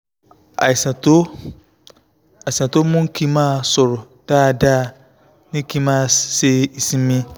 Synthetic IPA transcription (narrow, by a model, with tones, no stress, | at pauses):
a˨ɪ˨sa˨to˦ | a˨ɪ˨sã˨to˦mʊ̃˦ŋ˦kʰi˦mã˦˨sʊ˨ɾʊ˨ | d̥aː˦˨daː˦˨ | nɪ̃˦kʰi˦mã˦˨se˦i˨sĩ˦mː˦ĩ˦